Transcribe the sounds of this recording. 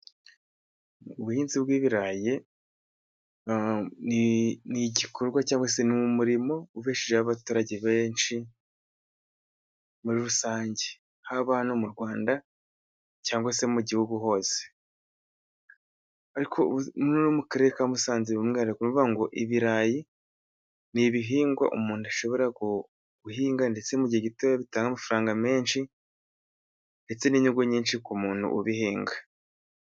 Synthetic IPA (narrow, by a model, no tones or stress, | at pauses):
uβuhiːnzibɡiːβiɾaje̞ | niniɟikʰoɾɡwacaːŋɡwas̬enimumuɾimo̞uβeːʃeʒehaβatuːɾaɟe̞βeːnʃi | muɾiɾusaːɲɟe | haβahanomuɾɡwaːnda | caːŋɡwase̞muɟihuɡuɦo̞ːz̥e̥ | aɾikʰomunonomukaɾekamusaːɲzeβimŋiaɾekunuaŋɡo̞ʔiβiɾaːji | niβiɦiːŋɡwa̰ʔomuːnuaʃo̞βo̞ɾaɡo | ɡ̥uɦiːŋɡande̞t͡semuɟaɟitoβaβitaːŋɡamafuɾaːŋɡameːnʃi | nde̞t͡se̞niɲuɡoɲiːnʃikumuːnṵʔuβihiːŋɡa